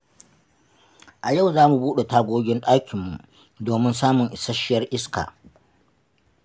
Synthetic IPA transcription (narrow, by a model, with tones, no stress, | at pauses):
ʔa˨ja˦˨wzaː˦mu˨buː˦ɗe˨taː˦ɡʷoː˦ɡʲɪ˦nɗʼaː˦kʲʰɪ˨mːu˨ʔ | doː˨mɪ˦ns̬aː˦mʊ˨ŋʔɪ˨sɐ˦ʃɪ˦jɐ˦rʔɪ˦ska̰ː˨